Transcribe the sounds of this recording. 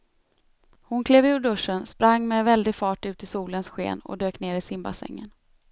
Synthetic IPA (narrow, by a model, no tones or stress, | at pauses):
hʊnkʰleːvɪːʊɖɵʂːənspɾaŋːmɛvɛld̪ɪfɑːʈʉ̟ːt̪ɪsuːlənsɧḛːnɔ̰d̪øːkneːɾɪsɪmba̰sɛ̰ŋːə̰n